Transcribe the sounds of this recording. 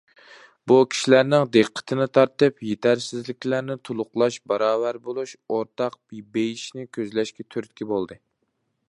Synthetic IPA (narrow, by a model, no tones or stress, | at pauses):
bukʲʰi̥ʃilæɾnɪŋd̪eqʰːə̥t̪ʰɨnɪt̪ʰɑɾt̪ɨpjet̪ʰæɾsɪzlɪkʲlæɾnɪt̪ʰolˠʊqlˠɑʃbɑɾɑːvwæɾbolˠuʃoɾt̪ʰɑq̚b̥ibejiʃnɪkʲʰøzlɛʃkʲɛt̪ʰyɾt̪̚kʲɛbolˠd̪ɨ